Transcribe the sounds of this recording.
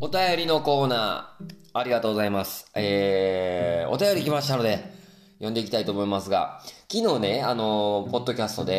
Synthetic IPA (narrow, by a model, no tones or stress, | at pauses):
o̞t̪ajo̞ɾʲino̞ko̞ːnaː | ɾʲiɡat̪o̞ːɡo̞zaimasɨ̥e | o̞̰t̪ajo̞ɾʲikʲimaɕi̥t̪ano̞d̪e̞ | jõ̞nd̪e̞ikʲi̥t̪ait̪o̞ːmo̞imasɨɡa̰kʲino̞ːne̞ano̞po̞d̪ːo̞kʲasɨ̥t̪o̞d̪e̞